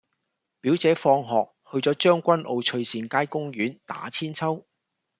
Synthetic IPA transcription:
pi˨˥wt͡sɛː˨˥fɔː˧ŋɦɔː˨k̚hɵ˧ɥt͡sɔː˨˧˥t͡ʃœː˥ŋkʷɐ˥nʔo˨˧wt͡ʃʰɵ˧ɥsiː˨˧nkaː˥jkʊ˥ŋɥyː˨˥nt̪a̰ː˨˥t͡sʰiː˥nt͡sʰɐ˥w

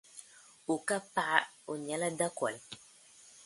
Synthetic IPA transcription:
u˨ka˦pa˦a˦o˨ɲa˨˦la˦da˦kwa̰˨l

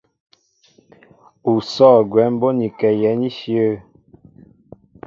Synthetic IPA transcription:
u˨sɔː˦˨ɡwɛ˨˦m̩˦bo˦ni˨kɛ˨jɛ˨˦ni˦ʃjə˦˨

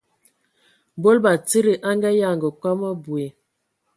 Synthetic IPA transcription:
bo˦lba˨t͡si˦ɾi˨ʔa˦ŋɡa˦ja˦˨ŋɡə˨kwa˦ma˦bwe˨

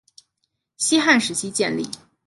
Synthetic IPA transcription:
ɕi˥xa˥˩nʂɻ̩˧˥t͡ɕʰi˥t͡ɕjɛ˥˧nlḭ˥˩

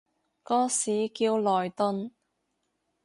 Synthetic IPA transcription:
kɔː˥siː˨˥kiː˧wlɔː˨˩jt̪ʊ˧n

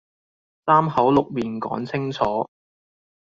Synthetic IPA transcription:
saː˥mhɐ˨˥wlʊ˨k̚miː˨nkɔ̰ː˨˥ŋt͡sʰɪ˥ŋt͡sʰɔː˨˥

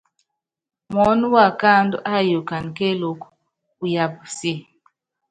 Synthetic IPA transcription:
mɔ˦nu˦wa˦˨ka˦ndu˦ʔa˦jo˨ka˨n˨ke˦lo˨k | u˨ja˨bsi˦˨

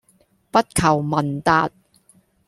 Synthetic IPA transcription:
pɐ˥t̚kʰɐ˨˩wmɐ˨˩nt̪aː˧t̚

